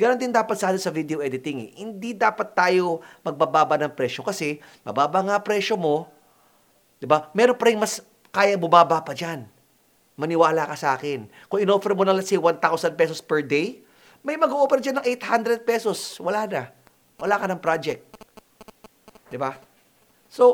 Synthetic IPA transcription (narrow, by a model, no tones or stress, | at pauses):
ɡɐɾɐnt̪ɪnd̪aːpɐt̪sɐʔaːd̪osɐvid̪eoʔɛd̪ɪt̪ɪŋɛ̰hɪnd̪id̪aːpɐt̪ːaːjo̞mɐɡ̚babaːbɐnɐŋpɾɛːʃo̞kɐsɛmɐ̰baːbɐŋapɾɛʃo̞mo̞ | d̪ɪbamɛːɾonpɐɾɪŋmɐs | kaːjɐbʊmaːbapɐd͡ʒan | mɐnɪwaːlakɐsɐʔaːkɪn | kʊŋɪnofɛɾmonɐlasɪwant̪awsɐnpɛsospɛɹd̪ej | mɐjmɐɡoʔoːpɛɾɐd͡ʒɐnɐŋʔejt̪hand̪ɾɛd̪̚pɛːso̞swɐlaːnɐ | wɐlaːkɐnɐŋpɾaːd͡ʒɛk̚t̪̚ | d̪ɪba | so